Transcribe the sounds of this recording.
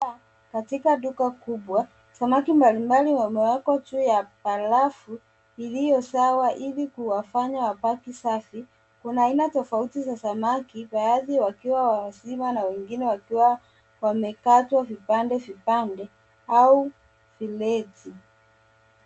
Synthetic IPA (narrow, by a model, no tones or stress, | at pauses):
katikaɗukakuɓwa | samakimbalimbaliwamɛwakɔtujapalafu | ilijɔsawaʔilikuwafaɲawapakisafi | kunaːinatɔfautizasamakiɓaaðiwakiwawasimanawɛŋɡinɛwakiwa | wamɛkatwavipandɛvipandɛ | au | vilɛti